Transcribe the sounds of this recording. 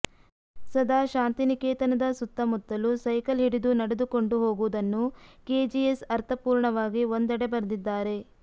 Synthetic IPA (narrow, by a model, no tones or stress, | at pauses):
sɐd̪ʱaːʃaːnt̪inikeːt̪ɐnɐd̪ɐsut̪ːɐmut̪ːɐlusɐjkɐlɦiɽid̪unɐɽed̪uko̞ɳɖuɦo̞ːɡuʋud̪ɐnːukeːd͡ʒiesɐɾt̪ʰɐpuːɾɳɐʋaːɡiond̪ɐɽebɐɾd̪id̪ːaːɾe̞